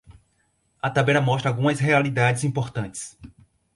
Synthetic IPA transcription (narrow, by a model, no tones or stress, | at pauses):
ɐt̪abɛɾɐmɔst̪ɾɐawɡũmɐsɦealid̪ad͡ʒɪzĩpoɾt̪ɐ̃t͡ʃɪ̥s